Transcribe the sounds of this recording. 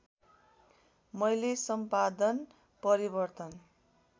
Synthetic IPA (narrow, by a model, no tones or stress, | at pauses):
mʌjlesʌmpad̪ʌn | pʌɾibʌrt̪ʌn